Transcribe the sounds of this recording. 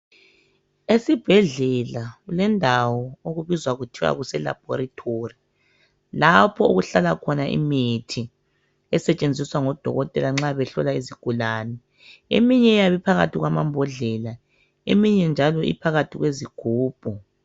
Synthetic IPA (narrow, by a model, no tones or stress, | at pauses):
esib̥ʱɛɮɛlaulɛndʱawɔoɣuβizwaɣutʰiwa̰ɣusɛla̰b̥̚ʱɔɾatʰori | lapʰɔṵɣuɬalakʰɔnaʔḭmetʰi | ɛsɛt͡ʃʼend͡zʱiswaŋɔd̥ʱɔ̰ɣɔtʼɛlaŋ͡ǁaβɛɬɔ̰laiziɡ̥ʱulaːnɛ | ḛmiɲɛjaβɛpʰaɣa̰tʰiɣwamambʱɔɮɛla | ḛmiɲɛnd͡ʒʱalɔḭpʰaɣatʰiɣweziɡ̥ʱuːb̥ʱɔ